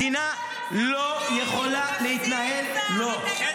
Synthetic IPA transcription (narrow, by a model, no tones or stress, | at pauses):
ina | lojɛχolalɛhit̪naɦɛllo